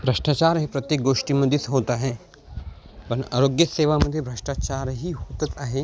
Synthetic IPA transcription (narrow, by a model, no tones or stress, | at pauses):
bɾɐʂʈaːt͡ʃaːɾɦipɾɐt̪jeːk̚ɡoːʂʈimɐd̪ʱjit̪ɦoːt̪aɦɛ | pɐnɐɾoːɡjɐseːʋamɐd̪ʱjibʱɾɐʂʈaːt͡ʃaːɾɦiɦoːt̪ɐt̪aɦe